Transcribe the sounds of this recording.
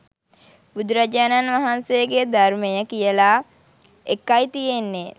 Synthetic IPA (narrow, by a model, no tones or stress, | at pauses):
bud̪ɾad͡ʒaːnanʋaɦansejəɡed̪armejəkijəlaː | ekːajt̪ijenːe